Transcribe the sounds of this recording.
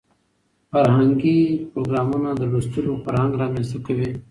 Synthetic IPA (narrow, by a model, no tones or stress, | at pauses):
fəɾɦəŋɡiːpɾoːɡɾaːmõːnãːd̪əɾust̪uɾũːpəɾɦãːŋɡɾãːmẽːsʊkʰəʋeː